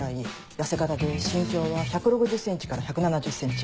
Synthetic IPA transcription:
ai | jase̞kat̪ad̪e̞ɕĩŋkʲo̞ːβaçakɯ̟ɾo̞kɯ̟ʑɨsẽ̞ɲ̟t͡ɕi̥kaɾaçakɯ̟nanad͡ʑɨsːẽ̞ɲt͡ɕi̥

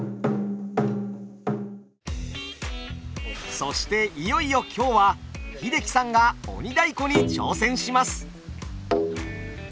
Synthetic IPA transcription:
so̞ɕi̥t̪e̞ijo̞ijo̞kʲʰo̞ːβaçid̪e̞kʲi̥sãŋɡao̞̰ɲ̟id̪aiko̞ɲ̟it͡ɕo̞̰ːsẽ̞ɰ̃ɕimasɨ̥

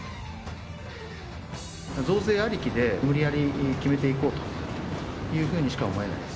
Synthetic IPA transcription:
zo̞ːze̞ːaɾʲikʲid̪e̞mɯ̟ɾʲijaɾʲikʲime̞t̪eiko̞ːt̪o̥ | jɯ̟ːɸɯ̟ːɲ̟iɕi̥kao̞mo̞e̞na̰id̪es

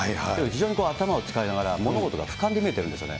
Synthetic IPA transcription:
aaekɯçiʑo̞ːɲiko̞ːat̪amao̞t͡sɨ̥kainaɡaɾamo̞noɡo̞t̪o̞ɡa̰kḁkãnd̪e̞mie̞t̪eɾɯ̃nde̞sɨonḛ

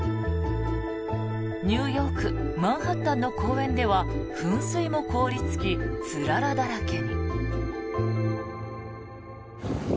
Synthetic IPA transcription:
ɲ̟ɨːjo̞ːkɯ̟mãɰ̃hat̪ːãnːo̞kʰo̞ːẽ̞nd̪e̞βaɸɯ̟̃ɰ̃sɨimo̞ko̞ːɾʲit͡sɨ̥kʲit͡sɨɾaɾad̪aɾakẽ̞ŋ

